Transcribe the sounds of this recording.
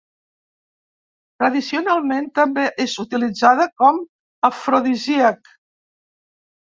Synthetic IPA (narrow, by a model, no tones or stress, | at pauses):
t̪ɾəðisiunalˠment̪əmbeʔezut̪ilid͡zaðəkɔm | əfɾoðiziək